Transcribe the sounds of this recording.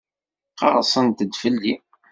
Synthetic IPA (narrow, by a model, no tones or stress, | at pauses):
qɑ̰ɾˤsˤənt̪əd̪fəlːi